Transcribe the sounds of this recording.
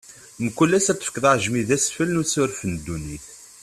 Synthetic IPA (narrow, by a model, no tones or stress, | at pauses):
nəkːulːæsæt̪ːəfkəðˤəʕʒmiðæsfəlnusʊɾfənd̪ːuniθ